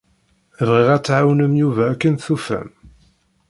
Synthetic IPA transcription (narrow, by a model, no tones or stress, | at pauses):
əvʁiʁæt͡sːʕawnəmjuvæːkːənθufæ̰m